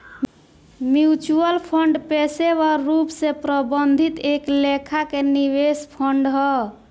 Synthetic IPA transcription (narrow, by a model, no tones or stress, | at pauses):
mjut͡ʃuəlpʰəɳɖpeseʋaɾupsẽpɾəbənd̪ʱit̪eklekʰakeniβespʰəɳɖɦɔ